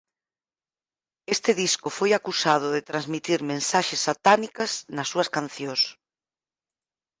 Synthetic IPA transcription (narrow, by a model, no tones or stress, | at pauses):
est̪ɪðiskʊfojakusað̞ʊðet̪ɾanzmit̪iɾmẽnsaʃɪsːat̪anikɐsnɐsːuɐskan̟θjõs